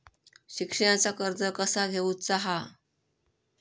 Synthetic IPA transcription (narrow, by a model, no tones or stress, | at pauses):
ɕikʂəɽ̃at͡sakəɾd͡zəkəsaɡʱeuːt͡saɦa